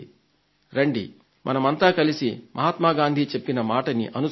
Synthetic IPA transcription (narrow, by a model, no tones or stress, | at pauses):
ɾeɳɖḭ | mʔɐnɐmɐnt̪aːkɐlisimʔɐɦaːt̪maːɡaːnd̪ʱiːt͡ʃe̞pːinɐmaːʈɐnḭʔɐnu